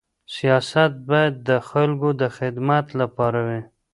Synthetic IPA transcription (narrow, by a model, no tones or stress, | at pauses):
sijɑsat̪̚bɑjad̪ːəxalkod̪əxɪd̪mat̪lapɑɾawi